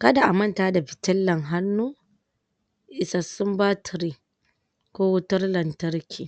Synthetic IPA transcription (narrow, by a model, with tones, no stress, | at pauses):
kɐ˦da˨ʔa˨mɐ˦ntaː˦da˨ɸɪ˨tɐ˦lːɐ˨ŋɦa˦nːuː˦ | ʔɪ˨sa˨sʊ˦mbaː˦tʰɾi˦ | kʷoː˦wʊ˦tʊ˦rlɐ˨ntɐ˦ɾkʲʰiː˨